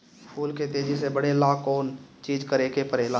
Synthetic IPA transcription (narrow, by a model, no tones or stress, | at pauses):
pʰuːlket̪eːd͡ʒisebəɽelaːkoːnt͡ʃiːd͡ʒkəɾekepəɾeːlãː